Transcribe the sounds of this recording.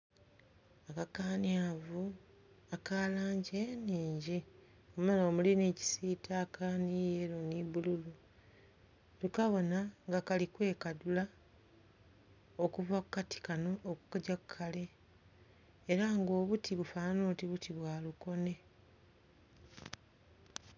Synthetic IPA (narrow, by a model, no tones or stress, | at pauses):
akakaːniavu | akalaːɲɟeniːɲɟi | ommaloːmulineci̥sitʰakʰanijeɾoniβululu | tukaβo̞naŋɡakalikwe̞ːkadula | okuvakukatʰi̥kano̞oku̥kaɟakukʰːale̞ | ɾaŋɡo̞ːβutʰiβufaːnoːtiβutiβwaːluko̞ne̞